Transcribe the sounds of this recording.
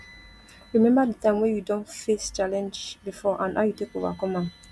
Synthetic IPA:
ɹimɛ̃mbadətãɪ̃mwɛ̃judɔ̃ntfest͡ʃalɛ̃nd͡ʒbifɔʔãnaʊjutekova̰kɔmã

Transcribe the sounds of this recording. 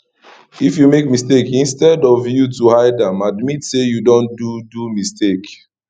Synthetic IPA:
ifjumek̚mistekĩnstɛdɔvjutuhaɪdãmadmitsejudõndudumistek

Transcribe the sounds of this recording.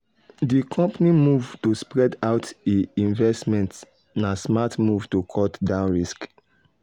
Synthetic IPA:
dikʰɔ̃mpanimuvtospɹɛdaʊteĩnvɛstmɛ̃nt | nasmatmuvtokʰɔtdãʊ̃nɹisk

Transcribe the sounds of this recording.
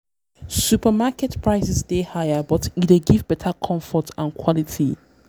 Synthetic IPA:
supamakɛtpɹaɪsɛsdehajabɔtieɡivbɛtʰakʰɔ̃ɱfɔtʰãnkʰwɔlitʰḭ

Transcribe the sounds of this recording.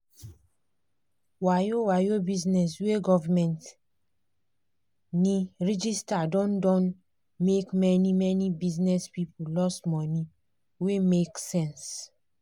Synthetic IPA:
wajowajobiznɛs̬weɡɔvamɛ̃nt | niɹid͡ʒistadɔ̃ndɔ̃n | mekmɛnimɛnibiznɛspipulɔstmɔni | wemeksɛ̃ns

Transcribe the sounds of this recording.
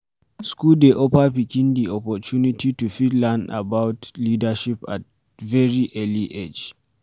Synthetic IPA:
skuldeʔopapikʲɪndiɔpɔt͡ʃunitʰitufitlanda̰bawtliːdaʃipa̰t̚ | vɛɹiʔɛliʔed͡ʒ

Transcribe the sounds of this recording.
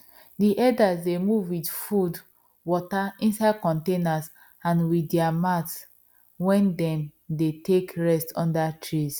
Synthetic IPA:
diʔɛdasdemuvwidfud | wɔtaĩnsaɪd̚kɔ̃ntenas | ãnwidɛamats | wɛ̃ndɛ̃mdetekɹɛstʰɔ̃ndatʰɹis

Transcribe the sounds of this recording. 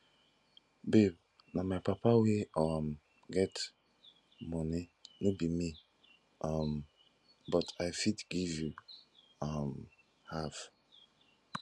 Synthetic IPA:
beb̚ | namajpapaweam | ɡɛt | mɔninobimi | ʔam | bɔtʰajfidɡivju | am | haf

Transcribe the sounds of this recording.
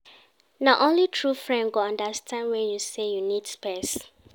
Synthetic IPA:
naʊʔõnlitʰɹufɹɛ̃nɡoãndastʰãnwɛ̃njusejunidspɛs

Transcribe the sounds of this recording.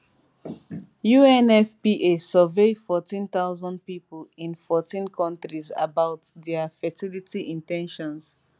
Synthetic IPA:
juɛnɛfpiʔesɔvefɔtĩnt̪aʊzɔ̃nd̚pipolĩnfɔtĩnkʰɔ̃ntɹiza̰baʊtdɛafɛtilitiʔĩntɛ̃nʃɔ̃ns

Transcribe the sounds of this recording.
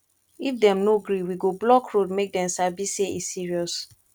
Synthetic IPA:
ifdɛ̃mnoɡɹiwiɡoblɔkɹodmek̚dɛ̃msabiseisiɹiɔs

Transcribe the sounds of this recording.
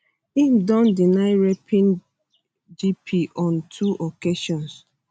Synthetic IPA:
imdɔ̃ndinaɪɹɛpʰĩn | d͡ʒipʰiʔɔ̃ntʰuʔokeʃɔ̃ns

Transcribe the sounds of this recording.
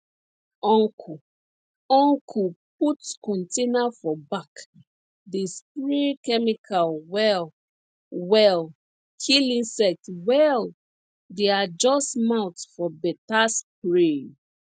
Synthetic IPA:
ɔ̃ŋkʰu | ɔ̃ŋkʰuputkɔ̃ntenafɔbak | despɹikɛmikʰalwɛl | wɛl | kʰilĩnsɛk̚twɛl | dead͡ʒɔstmãwtsfɔbɛtaspɹi

